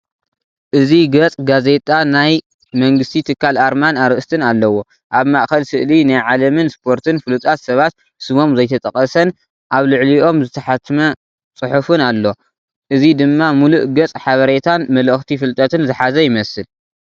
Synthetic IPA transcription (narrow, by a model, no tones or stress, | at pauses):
ʔɨziɡɐt͡sʼɡaze̞t̪ʼanaj | mɐŋɡɨst̪ʰit̪ʰɨkʰːalʔaɾmanaɾɨʔɨst̪ʰɨnalːɐwo̞ | ʔaβmaʔxɐlsɨʔlinajʕalɐmɨnspʰo̞ɾt̪ʰɨnfɨlut̪ʼat̪sɐβat̪̚ | sɨmo̞mzɐjt̪ʰɐt̪ʼɐkʼɐsɐn | ʔaβlɨʕliʔo̞mzɨt̪ʰɐħat̪ʰːmɐ | t͡sʼɨħufɨnalːo̞ | ʔɨzid̪ɨmːamuluʔɡɐt͡sʼħaβɐɾet̪ʰanmɐlɐxt̪ʰifɨlt̪ʼɐt̪ʰɨnzɨħazɐjɪmɐsɨl